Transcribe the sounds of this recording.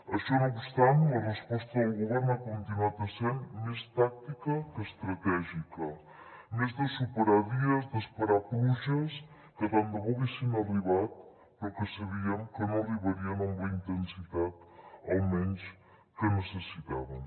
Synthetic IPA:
ɐʃɔnoβust̪anɐrəspɔst̪ɐːwɣuβɛɾnɐkõnt̪inat̪ɐsenmest̪ak̚t̪ikɐkəst̪ɾɐt̪ɛʒikɐ | mezd̪ɐsupəɾaðiɐzd̪ɐspɐɾapuzɐs | kəβand̪əβuβisinɐliβat̪̚ | poɾkəsɐβiɐŋkənõliβɐɾiɐnõŋbɐint̪ensit̪at̪owmẽns | kənəsəsit̪a̰βɐn

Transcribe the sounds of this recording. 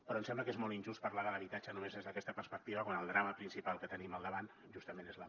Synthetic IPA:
pəɾɔəmsɛmbləkezmɔlˠt̪inʒust̪̚pəɾrlaðələβit̪at͡ʃənumezezðəkɛst̪əpəɾspək̚t̪iβəkwanəlˠd̪ɾaməpɾinsipalˠkət̪əniməlˠd̪əβan | ʒust̪əmenezlə

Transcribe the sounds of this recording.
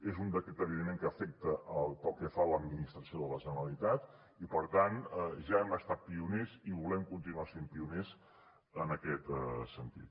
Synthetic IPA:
ezund̪əkɛt̪əβiðimẽŋkəːfɛk̚t̪əʔəlˠt̪ɔkefaləd̪minist̪ɾəsioðələʒənəɾəlit̪at̪ | ipəɾt̪anɛʒaɛməst̪at̪̚piuneziβulɛmkunt̪̬inuasempiunez | ənəkɛt̪əsənt̪ḭt̪

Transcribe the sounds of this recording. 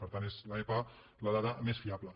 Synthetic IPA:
pəɾt̪anezlaepa | ləðaðəmesfiablə

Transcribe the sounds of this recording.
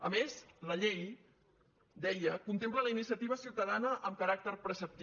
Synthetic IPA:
əmezləʎej | d̪ɛjəkunt̪emplələinisiət̪iβ̞əsiuwt̪əðanəʔəmkəɾak̚t̪əɾpɾəsəp̚t̪i

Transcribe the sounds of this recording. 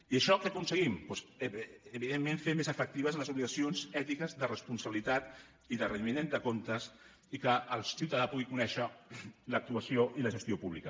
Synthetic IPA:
iəʃɔkəkunsəɣimpwɔsː | βiðemːeɱfemezəfək̚t̪iβəzənləzuβliɣəsionzɛt̪ikəzðərəspunsəβilit̪at̪ | iðərəiminent̪əkont̪əs | ikəəlˠsiwt̪əðapuɣikunɛʃələk̚t̪uəsioʔiləʒəst̪iopuβlikə

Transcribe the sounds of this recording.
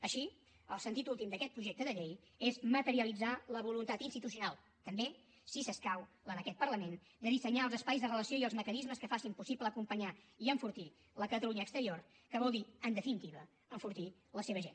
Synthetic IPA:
əʃi | əlˠsənt̪it̪ulˠt̪imd̪əkɛt̪̚pɾuʒek̚t̪əðəʎej | ezmət̪əɾiəlid͡zaləβulunt̪at̪inst̪it̪us̬iunalˠ | t̪əmbe | sisəskaw | ənəkɛt̪̚pəɾləmen | d̪əðisəɲaəlˠzəspajzðərələsioiəlˠzməkənizməskəfasimpusipləːkumpəɲa | iəɱfuɾt̪i | ləkət̪əluɲəːkst̪əɾioɾ | kəβ̞ɔlˠd̪iənd̪əfinit̪iβə | əɱfuɾt̪i | ləseβəʒḛn

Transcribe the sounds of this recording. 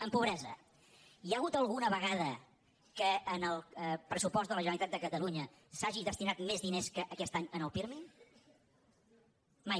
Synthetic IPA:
əmpuβɾɛzə̰ | jaɣut̪əlˠɣunəβəɣ̞að̞ə | kəːnəlˠəpɾəsupɔsd̪ələʒənəlit̪at̪d̪əkət̪əluɲə | saʒiðəst̪inat̪mezðineskəʔəkɛst̪aɲənəlˠpiɾmiŋ | maj

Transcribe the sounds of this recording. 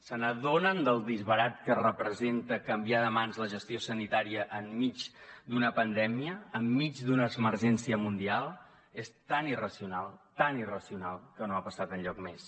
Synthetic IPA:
sənəðonənd̪əlˠd̪izβəɾat̪kərəpɾəzent̪əkəmbiaðəmanzləʒəst̪iosənit̪aɾiəʔːmːid͡zd̪unəpənd̪ɛmiəːmːid͡ʒd̪unəːzməɾʒɛnsiəmund̪ialˠ | est̪anirəsiunalˠt̪anirəsiunalˠkənoapəsat̪ənʎɔk̚mes

